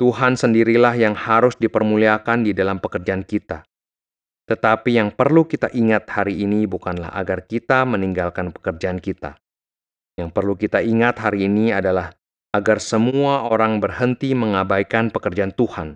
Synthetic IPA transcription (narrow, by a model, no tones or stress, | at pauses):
t̪uɦansəndiɾilahjaŋhaɾʊsdipərmuliakandidalampəkərd͡ʒaankit̪a̰ | t̪ət̪apijaŋpərlukit̪aʔiŋat̪̚haɾiːnibukanla̰ha̰ɡarkit̪aməniŋɡalkanpə̥kərd͡ʒaankit̪a̰ | jaŋpərlukit̪aiŋat̪ɦaɾiːniadalah | aɡarsəmuuaʔoɾaŋbərhənt̪iməŋabajkanpəkərd͡ʒaant̪uhan